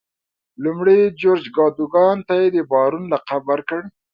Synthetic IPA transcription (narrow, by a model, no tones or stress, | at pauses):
lumɽed͡ʒoɾd͡ʒɡɑd̪uɡɑnt̪ajed̪əbɑɾunlaqabaɾkəɽ